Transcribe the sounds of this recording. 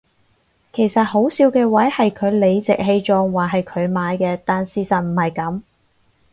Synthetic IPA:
kʰe˨˩jsɐ˨t̚ho˨˥wsiː˧wkɛː˧wɐ˨˥jhɐ˨jkʰɵ˨˧ɥle˨˧jt͡sɪ˨k̚ɦe˧jt͡ʃɔː˧ŋwaː˨˩ɦɐ˨jkʰɵ˨˧ɥmaː˨˧jkɛː˧t̪aː˨nsiː˧sɐ˨n̚m̩˨˩hɐ˨jkɐ˨˥m

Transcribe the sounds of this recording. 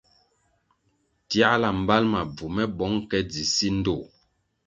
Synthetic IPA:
tja˦la˨m̩˨ba˦lma˨b͡vu˨mɛ˦bɔ˨˦ŋkɛ˦d͡zi˨si˦n̩˦do˦˨

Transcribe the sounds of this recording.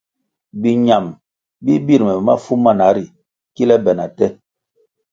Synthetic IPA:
bi˨ɲa˨m | bi˦bi˦ɾmɛ˨ma̰˦fu˦ma˦˨na˨˦ɾi˨ | ki˦lɛ˦bɛ˨na˨tɛ˦

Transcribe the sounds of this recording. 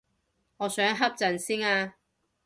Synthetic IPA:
ŋɔː˨˧sœː˨˥ŋɦɐ˥p̚t͡sɐ˨nsiː˥ŋaː˧

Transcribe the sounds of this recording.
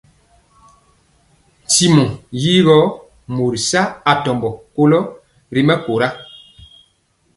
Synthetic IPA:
ti˨mɔ˨jiː˦ɣɔ˦ | mo˨ɾi˨sa˦a˨tɔ˨mbɔ˨ko˦lɔ˦ | ɾi˦mɛ˦ko˨ɾa˦

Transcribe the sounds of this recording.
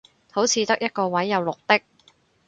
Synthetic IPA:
ho˨˥wt͡sʰiː˧t̪ɐ˥k̚jɐ˥t̚kɔː˧wɐ˨˥jːɐ˨˧wlʊ˨k̚t̪ɪ˥k̚

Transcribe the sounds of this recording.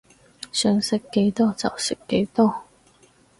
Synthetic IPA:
sœː˨ŋsɪ˨kːe˨˥jt̪ɔː˥t͡sɐ̰˨wsɪ˨˩kkːe˨˥jt̪ɔː˥

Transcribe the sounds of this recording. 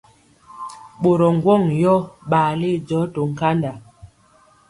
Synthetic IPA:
ɓo˨ɾɔ˨ŋ˨ɡwɔ˦˨ŋjɔ˦ɓaː˨li˦˨d͡ʒɔ˨˦to˨ŋ̩˨ka˦nda˨

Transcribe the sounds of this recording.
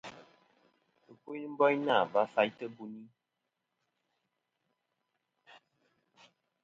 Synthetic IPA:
ɨ˨ku˦m̩˦bɔ˦jna˦˨ba˦fa˦jtə˦bu˦ni˦

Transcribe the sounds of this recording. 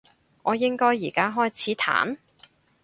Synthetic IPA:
ŋɔː˨˧jɪ˥ŋkɔː˥jːiː˨˩kaː˥ɦɔː˥jt͡sʰiː˨˥t̪ʰa̰ː˨˥n

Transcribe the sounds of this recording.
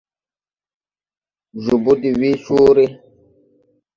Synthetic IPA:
ʒu˨bu˦di˨wi˦ʃu˦ɾe˦

